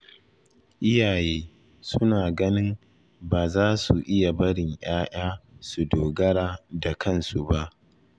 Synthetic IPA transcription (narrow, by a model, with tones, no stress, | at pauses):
ʔɪ˦jaː˨jeː˦ | sʊ˦naː˨ɡɐ˦nɪ˦m | baː˨zaː˦su˨ʔɪ˦ja˨bɐ˦ɽɪ˨ɲj̰aː˦j̰aː˦su˨doː˨ɡɐ˦ɽaː˦da˨kʰɐ˦˨nsu˨ba˦ʔ